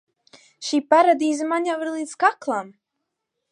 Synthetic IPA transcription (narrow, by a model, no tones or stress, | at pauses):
ʃiːpaɾad̪iːzɨmanjawiɾlˠiːt̪skaklˠam